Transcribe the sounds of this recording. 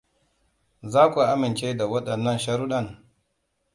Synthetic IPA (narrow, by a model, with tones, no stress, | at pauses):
zaː˦kʷu˨ʔa˦mɪ˨nt͡ʃeː˦da˨wɐ˦ɗɐ˨nːɐ˦nʃɐ˦ɾu˦ɗɐ˦˨ŋ